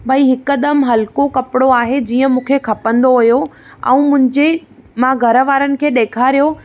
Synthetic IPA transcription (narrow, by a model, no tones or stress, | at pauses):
bʱɐiɦɪkəd̪əmɦɐlkokɐpɪɽoaːɦed͡ʑiːə̃mũːkʰekʰɐpə̃nd̪oɦʊjo | ɛ̰̃ːmʊ̃ɦɪ̃ɲd͡ʑe | mãɡʱɐɾəʋaːɾənɪ̆kʰeːɗeːkʰaɾijo